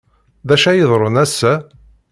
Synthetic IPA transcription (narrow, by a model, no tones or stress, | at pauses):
ðæʃæjəðˤɾˤənæsːæ